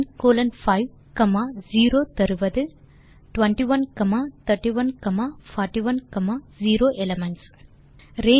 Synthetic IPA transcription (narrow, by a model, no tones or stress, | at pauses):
nkoːlɐnfɐɪʋ | kɐmaːziːɾoːt̪ɐɾɯʋɐðɯ | ʈʋɐɳʈiʋɐnkɐmaːt̪ɐʈːiʋɐnkɐmaːfaːʈiʋɐnkɐmaːziːɾoːʔɛlɐmɐɳʈs | ɾeː